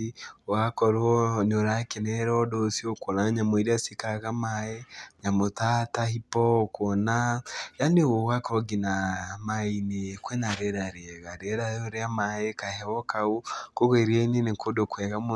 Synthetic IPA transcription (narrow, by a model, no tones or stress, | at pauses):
oɣakɔɾoneoɾakenɛɾɔdɔsiokonaɲamoeɾiasikaɣamaeɲamotatahipɔokonajanewowakɔɔɡinamainekwɛnaɾeɾaɾeɛɣaɾeɾaoɾeamaekahɛβɔkaokoɣeɾiainenekodokwɛɣamo